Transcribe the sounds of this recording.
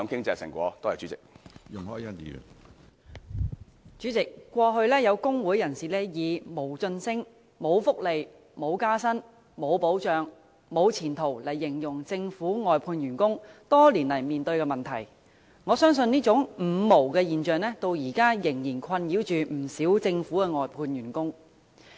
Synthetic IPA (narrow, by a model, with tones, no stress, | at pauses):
ɔ˨˥ŋkɪ˥ŋt͡sɛː˧sɪ̰˨˩ŋkʷɔ̰ː˨˧˥t̪oː˥jɐ˨˩t͡ʃyː˨˥t͡sɪ˨k̚jʊ˨ŋhɔː˨˥jɐ˥t̪ḭ˨˧˨ | t͡ʃyː˨˥t͡sɪ˨kːʷɔː˧ɦɵ˧ɥlɛː˥jɐ˨˧wkʊ˥ŋwuː˨˥jɐ˨˩nsiː˨˩lɛː˥jiː˨˧mo˨˩wt͡sɵ˧nsɪ˥ŋ | mo˨˧wfʊ˥k̚le˨j | mo˨˧wkaː˥sɐ˥n | mo˨˧wpo˨˥wt͡ʃœː˨ŋ | mo˨˧wt͡sʰiː˨˩nt̪ʰo˨˩wlɐ˨˩jːɪ˨˩ŋjʊ˨˩ŋt͡sɪ˧ŋfuː˨˥ŋɔː˨jpʰuː˧njyː˨˩nkʊ˥ŋt̪ɔː˥liː˨˩nlɐ˨˩jmiː˨˩nt̪ɵ˧ɥkɛː˧mɐ˨nt̪ʰɐ˨˩j | ŋɔː˨˧sœː˥ŋsɵ˧niː˥t͡sʊ˨˥ŋm̩˨˩mo˨˩wkɛː˧jiː˨nt͡ʃœː˨˧ŋlɛː˥t̪o˧wjiː˨˩kaː˥jɪ˨˩ŋjiː˨˩nkʰɐ˧njiː˨˥wt͡ʃyː˨m̩˨˩siː˨˥wt͡sɪ˧ŋfuː˨˥kɛː˧ŋɔː˨jpʰuː˧nɥyː˨˩nkʊ˥ŋ